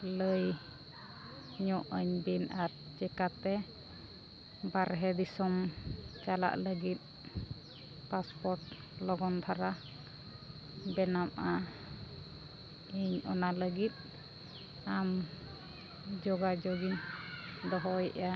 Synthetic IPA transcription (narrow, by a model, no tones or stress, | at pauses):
ləj | ɲɔʔəɲbinaɾ | d͡ʒɛkat̪ɛ | baɾɦɛd̪isɔmt͡ʃala̰ʔləɡit̪̚ | paspɔɾʈ | lɔɡɔnt̪ʰaɾa | bɛnamʔa | iɲɔ̰naləɡit̪̚ | am | d͡ʒɔɡad͡ʒɔɡiɲd̪ɔɦɔjʔa